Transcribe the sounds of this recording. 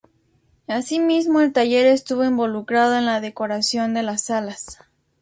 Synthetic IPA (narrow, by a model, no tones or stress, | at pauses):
asimizmo̞e̞lt̪aʝe̞ɾe̞st̪uβo̞imbo̞lukɾaðo̞enlaðe̞ko̞ɾasjo̞nd̪e̞lasalas